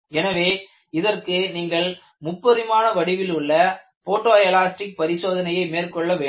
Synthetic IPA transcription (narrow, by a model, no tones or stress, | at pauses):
ɛnɐʋeː | ɪðɐrkɯniːŋɡɐɭ | mʊpːɐðɪmaːnɐʋɐɽɪʋɪlʊɭːɐ | foːʈːoːɐjɐlaːsʈɪk̚pɐɾɪsoːðɐnɐjɐɪmeːrkɔɭːɐʋeː